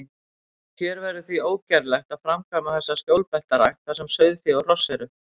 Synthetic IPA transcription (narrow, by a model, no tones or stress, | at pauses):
çɛɾvɛɾʏθvioːwcɛɾlɛxt̪aðfɾamkʰamaθɛsːascjowlpɛl̥t̪aɾajxt̪θasɛmsœːɥðfjɛɔr̥ɔsːɛɾʏ